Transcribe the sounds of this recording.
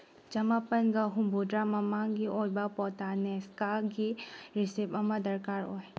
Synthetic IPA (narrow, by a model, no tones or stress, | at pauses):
d͡ʒɐmapɐnɡaɦũmbodɾamamãŋɡiʔɔɾbapɔːt̪aːnɛskaɡiɾɪsebɐmad̪ɐɾkaːɾo̰ɦ